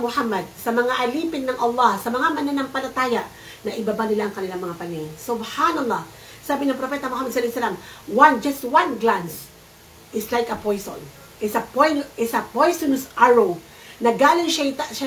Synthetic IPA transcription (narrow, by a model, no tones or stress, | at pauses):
mʊhamːɐd̪̚sɐmɐŋaʔɐliːpɪnːɐŋʔɐlˠːɑhsɐmɐŋamɐnanaŋpɐlɐt̪aːjaʔ | nɐʔɪbabanɪlaʔɐŋkɐnɪlaŋmɐŋapɐninsʊbhanɐlˠːɑ | saːbɪnɐŋpɾopɛt̪ɐmʊhamɐd̪slahsɐlamwand͡ʒɐst̪̚wanɡlans | ʔɪslajkɐpojso̰n | ʔɪsɐpojnɪsɐpojsonsaɹow | nɐɡaːlɪŋʃaɪt̪aʃa